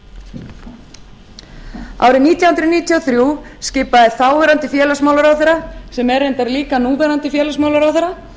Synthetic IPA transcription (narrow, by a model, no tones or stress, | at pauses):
a̰ːwɾɪniːt̪jawhʏnt̪ɾʏniːt̪ʰjɔθɾjuːsciːpaðɪθaːwvɛɾant̪ɪfjɛːlasmawlaɾawθɛɾasɛmɛɾejnt̪aɾliːkanuːvɛɾant̪ɪfjɛːlasmaːwlaɾawθɛɾːa